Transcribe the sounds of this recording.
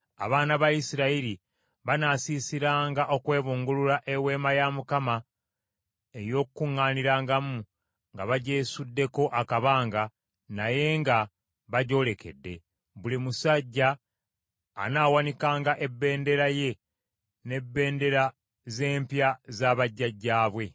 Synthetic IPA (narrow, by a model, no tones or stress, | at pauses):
a̰βaːnaβaisiɾaiɾi | βanasiːsiɾaːŋɡaʔo̞kwe̞ːβuːŋɡuluɾaʔewe̞ːmajamukama | e̞jo̞ːkukuŋːaːniɾaːŋɡamu | ŋɡaβaɟe̞ːsudːe̞ko̞ʔakaβaːŋɡa | naje̞ŋɡa | βaɟo̞ːle̞ke̞̰dːe̞ | βulimusaɟːa̰ː | naːwanikaːŋɡaʔe̞bːe̞ːnde̞ɾaje̞ | ne̞bːe̞ːnde̞ɾa | ze̞ːmpjazaːβaɟːaɟːaːβwe̞